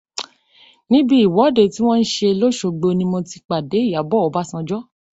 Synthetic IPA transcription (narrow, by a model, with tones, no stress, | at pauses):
nĩ˦bi˦i˨wɔ˨˦de˦˨ti˦w̃ɔ̃˦n̩˦ʃe˧lo˦ʃo˧ɡ͡be˧nĩ˧mɔ̃˧ti˧k͡pa˨de˨˦i˦˨ja˨˦bɔ˦ɔ˨˦ba˦sã˧d͡ʒɔ˦